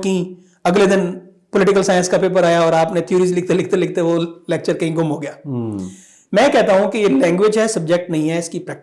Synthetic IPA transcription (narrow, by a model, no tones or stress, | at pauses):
kɐɦĩ | ɐɡled̪ɪn | pʊlɪʈɪkəlsaːɪjə̃nskɐpep̬ɐɾaːjaɔːɾaːpnẽt̪ʰjuːɾizlɪkʰt̪elɪk̚ʰt̪elɪkʰt̪eʋolɛːk̚t͡ʃəɾkɐɦĩɡʊmɦoɡɐjaː | mɛ̃ːkɛɦt̪aɦũkijelɛ̃ːŋɡʋed͡ʒɦɛsɐb̚d͡ʒek̚ʈnɐɦĩɦɛɪskipɾɛːk̚